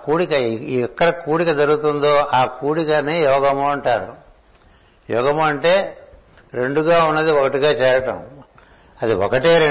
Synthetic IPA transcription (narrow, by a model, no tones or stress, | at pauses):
kuːɽikɐɛkːɐɽɐkuːɽikɐd͡ʒɐɾuɡut̪und̪o̞ːʔaːkuːɽikɐneːjɔːɡɐmoːɐɳʈaːɾṵ | jɔ̰ːɡɐmoɐɳʈeː | ɾe̞ɳɖuɡaːunːɐd̪iɔkɐʈiɡaːt͡ʃɛːɾɐʈɐ̰m | ɐd̪iɔ̰kɐʈeːɾe